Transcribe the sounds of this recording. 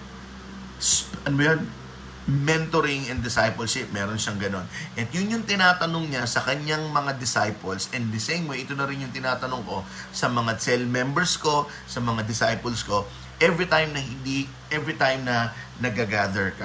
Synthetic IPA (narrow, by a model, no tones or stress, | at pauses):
spʔɐnmɐjɐn | mɛnt̪oɾɪŋɐnd̪ɪsajpɐlʃɪp̚mɛɾonʃɐŋɡɐno̞nʔɛt̪jʊnjʊŋt̪ɪnaːt̪ɐnoŋɲasɐkɐɲaŋmɐŋad̪ɪsajpɐlsɛnd̪̚d̪ɐsẽjmwejʔɪt̪o̞nɐɾɪnjʊŋt̪ɪnaːt̪ɐnoŋko̞sɐmɐŋat͡ʃɛlmɛmbɛɹsko̞ | sɐmɐŋad̪ɪsajpɐlsko̞ | ʔɛvɹit̪ajmnɐhɪnd̪i | ʔɛvɹit̪ajmnɐ | nɐɡɐɡad̪ɛɹkɐ